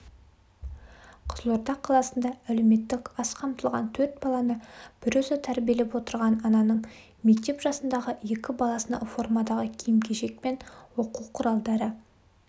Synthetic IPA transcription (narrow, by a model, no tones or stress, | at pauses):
qʰəzəlˠoɾt̪ɑqʰːɑlˠɑsənd̪ɑæle̞wme̞t̪ːɪkɑsqʰɑmt̪əlˠʁɑ̰nt̪ʰɵɾt̪̚bɑlˠɑnəb̥ɪɾɵzɪt̪ʰæɾbʲije̞lepwo̞t̪əɾʁɑnɑnɑnəɴ | me̞k̚t̪e̞pʒɑsənd̪ɑʁəje̞kʲɪbɑlˠɑsənd̪ɑ̰fo̞rmɑd̪ɑʁəkʲʰijɪmkʲʰeʒe̞k̚pe̞nwo̞quwqʰʊɾɑlˠd̪ɑɾə